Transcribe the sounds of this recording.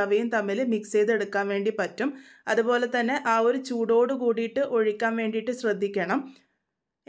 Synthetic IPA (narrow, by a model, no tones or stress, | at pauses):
ɐʋɐjumt̪ɐmːilmikseːðe̞ɽukːaːnʋe̞ːɳɖipɐtːum | ɐðupo̞ːle̞t̪ɐnːe̞ʔaːo̞ɾut͡ɕuːɽo̞ːɽɨkuːɽijiʈːɨʔo̞ɻikʲːaːnʋe̞ːɳɖijʈːɨɕrɐd̪ʱːikʲːɐɳɐm